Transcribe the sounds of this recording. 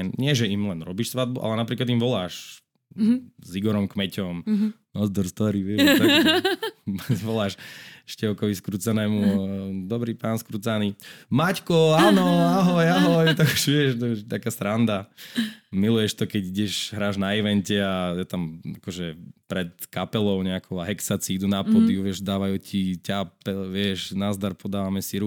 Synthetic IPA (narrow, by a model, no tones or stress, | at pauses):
nɲɪɛʒɛimlɛnɾɔbiːʃsʋad̪̚buʔa̰lɛnapɾiːklad̪imʋɔlaːʃ | ziɡɔɾɔmkmɛcɔm | nɔzd̪ɔɾst̪ɔɾiʋɛʃta | pʋɔlaːʃʃcɛʊkɔʋiskɾut͡sanɛːmud̪ɔbɾipaːnskɾut͡sanimackɔanɔaɦɔjaɦɔjt̪aɡuʃʋɪɛʃt̪ɔɛʃt̪akaːsɾand̪a | milujɛʃt̪ɔkɛɟiɟɛʒɦɾaːʒnaiʋɛncɛajɛt̪amakɔʒɛpɾɛt̪kapɛlɔʊɲɛakɔʊaɦɛksat͡siid̪unapɔd̪iuʋɪɛʒd̪aːʋajucʰicapɛʋɪɛʒnazd̪aɾpʰɔd̪aːʋamɛsiɾu